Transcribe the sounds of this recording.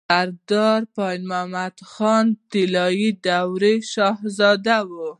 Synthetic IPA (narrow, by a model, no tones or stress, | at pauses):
saɾd̪ɑɾpɑjnmamad̪xɑnt̪ɪlɑjid̪awɾeʃɑhzɑd̪awu